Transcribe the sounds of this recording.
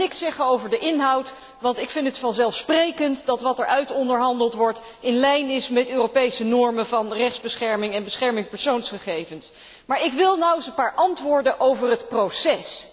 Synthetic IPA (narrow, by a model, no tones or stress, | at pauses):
ɪksɛχəowvəɹdəʔɪnɦɑwt | ʋɑntɪkfɪntətfɑnzɛlˠfsprejkəntdɑtʋɑtɛɹʔœɥtɔndəɹɦɑndəlˠtʋɔɹt | ɪnlɛjnɪsmɛtøːrowpejsənɔɹmənvɑnrɛχdzbəsχɛɹmɪŋɛnbəsχɛɹmɪŋpəɹsownsχəχejvəns | maːɹɪkʋɪlˠnawəsənpaːɹʔɑntʋʊːɹdənʔowvərɦətprowsɛs